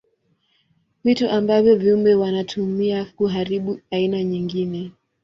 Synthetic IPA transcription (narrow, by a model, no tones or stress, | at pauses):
vituʔambavjɔvjumbɛwanatʰumiakuɦaɾiɓuainaɲiŋɡinɛ